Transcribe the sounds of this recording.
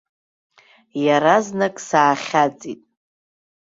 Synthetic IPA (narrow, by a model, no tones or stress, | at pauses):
jaɾaznakʼsaːχʲat͡sʼitʼ